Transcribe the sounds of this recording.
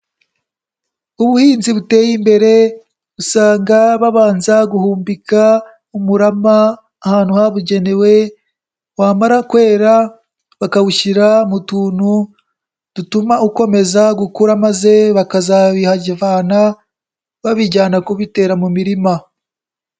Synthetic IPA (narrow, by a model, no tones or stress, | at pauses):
uβuhiːnziβute̞ːjimbe̞ɾe̞ | βusaːŋɡaβaβaːnzaɡuhuːmbika | umuɾamaː | haːnhuhaβuɟe̞ne̞we̞ | waːmaɾakwe̞ːɾa | βakaβuʃiɾamutuːnu | d̥utumauko̞me̞zaɡukuɾamaze̞βakazaβihaɟivaːna | βaβiɟaːnakuβite̞ːɾamumiɾima